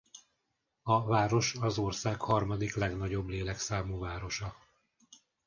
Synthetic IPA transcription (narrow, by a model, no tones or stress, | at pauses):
ɒvaːɾo̞ʃɒzo̞rsaːkhɒrmɒd̪iklɛɡnɒɟo̞bleːlɛksaːmuːvaːɾo̞ʃɒ